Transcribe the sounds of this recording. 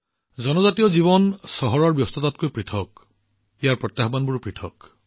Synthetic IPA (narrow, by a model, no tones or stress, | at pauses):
zɔnɔzatijɔziβɔnsɔɦɔɹɔɹbjɔst̪ʰɔt̪at̚kojpɹitʰɔk | ijaɹpɹɔt̪ːjaɦbanbuɹupɹitʰɔk